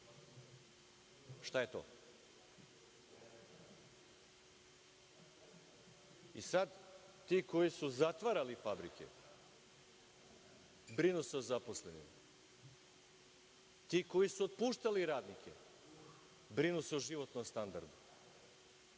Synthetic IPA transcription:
ʃt̪ajet̪o̰ː | isad̪ | t̪iːko̞jisuzat̪ʋaɾalifabɾikḛ | bɾinuseozaposlenḭm | t̪iːko̞jisuot̪̚puːʃt̪aliɾaːd̪nikʰʲe̞̰ | bɾinuseoʒiʋo̞t̪nomst̪and̪aɾd̪u

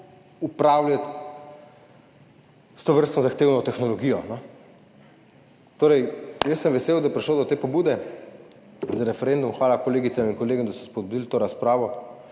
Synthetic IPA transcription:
upɾawlʲjat̪ | st̪oʋəɾst̪nɔzaxt̪eːwnɔt̪ɛxnɔlɔɡiːjɔnɔ | t̪oːɾɛjjəsːəmʋɛseːwd̪ajɛpɾiʃloːd̪ɔt̪eːpɔbuːd̪ɛ | zaɾɛfɛɾend̪umxʋaːlakɔleːɡit̪samiŋkɔleːɡɔmd̪asɔspɔd̪̚bud̪ilt̪oːɾaspɾaːʋɔ

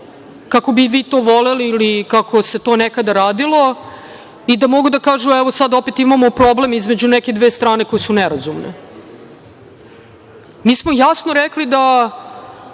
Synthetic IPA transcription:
kako̞biʋiːt̪oːʋo̞leliːlikako̞se̞t̪onekad̪aɾaːd̪ilˠo̞ | id̪amo̞ɡud̪akaːʒuɛʋosad̪o̞pet̪imamopɾoblemizme̞d͡ʑunɛked̪ʋeːst̪ɾaːne̞ko̞jesunɛɾazumnḛ | miːsmo̞jasno̞ɾɛklid̪a

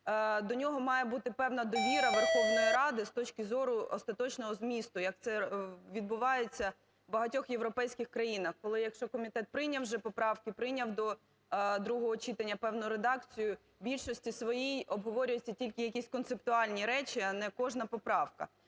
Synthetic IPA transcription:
d̪ɔnʲɔɦɔmɑjebut̪ɪpɛwnɐd̪ɔʋʲiɾɐʋerxɔʋnɔjiɾɑd̪ɪst̪ɔt͡ʃkɪzɔɾʊɔst̪ɐt̪ɔt͡ʃnɔɦɔzmʲist̪ʊjɐk̚t̪sɛʋʲid̪̚bʊʋɑjet͡sʲːɐ | bɐɦɐtʲɔxjeʋɾɔpɛjsʲkʲɪxkɾɐjinɐxkɔlˠɪjɐkʃt͡ʃɔkɔmʲit̪ɛt̪̚pɾɪnʲɐwʒɛpɔpɾɑwkɪpɾɪnʲɐwd̪ɔ | d̪ɾuɦɔɦɔt͡ʃit̪ɐnʲːɐpɛwnɔjʊɾed̪ɑkt͡sʲijʊ | bʲilʲʃɔsʲtʲisʋɔjijɔbɦɔʋɔɾʲʊjet͡sʲːɐtʲilʲkɪjɐkʲisʲkɔnt̪sep̚t̪ʊɑlʲnʲiɾɛt͡ʃiɐnɛkɔʒnɐpɔpɾɑwkɐ̰

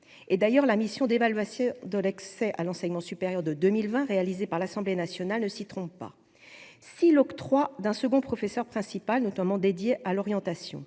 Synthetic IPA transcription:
ed̪ajœʁlamisjɔ̃d̪evalɥasjɔ̃d̪əlɛksɛʔalɑ̃sɛɲmɑ̃sypeʁjœʁd̪əd̪ømilvɛ̃ʁealizepaʁlasɑ̃blenasjɔnalnəsit̪χɔ̃ppa̰ | silɔkt̪χwad̪ɛ̃səɡɔ̃pχɔfesœʁpχɛ̃sipalnɔt̪amɑ̃d̪ed̪jeʔalɔʁjɑ̃t̪asjɔ̰̃

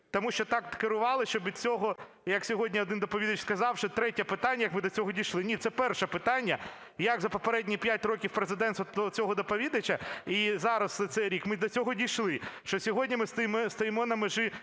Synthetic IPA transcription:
t̪ɔmuʃt͡ʃɔt̪ɑk̪kɪɾʊʋɑlˠɪʃt͡ʃɔbʋʲid̪t͡sʲɔɦɔ | jɐksʲɔɦɔdʲnʲiɔd̪ɪnd̪ɔpɔʋʲid̪ɐt͡ʃskɐzɑwʃɔt̪ɾɛtʲɛpɪt̪anʲːɐjɐkmɪd̪ɔt͡sʲɔɦɔdʲijʃlˠɪnʲit̪sɛpɛrʃɛpɪt̪ɑnʲːɐ | jɐɡzɐpɔpeɾɛdʲnʲipʲjat̚ʲɾɔkʲiwpɾezɪd̪ɛnt̪ɔd̪ɔt͡sʲɔɦɔd̪ɔpɔʋʲid̪ɐt͡ʃʲɐizɑɾɐsɛt̪sɛjɾʲikmɪd̪ɔt͡sʲɔɦɔdʲijʃlˠɪʃt͡ʃɔsʲɔɦɔdʲnʲimɪst̪jmst̪ɔjemɔnɐmeʒɪ

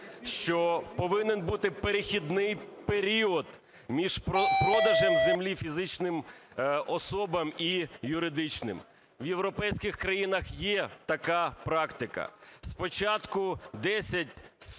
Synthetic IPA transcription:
ʃt͡ʃɔpɔʋɪnenbut̪ɪpeɾɪxʲid̪nɪjpeɾʲiɔd̪ | mʲiʒ̥pɾɔd̪ɐʒɛmzemlʲifʲizɪt͡ʃnɪm | ɔsɔbɐmijʊɾɪd̪ɪt͡ʃnɪ̰m | ʋjewɾɔpɛjsʲkɪxkɾɐjinɐxjɛt̪ɐkɑpɾɑkt̪ɪkɐ̰spɔt͡ʃɑt̪kʊd̪ɛsʲɐtʲ

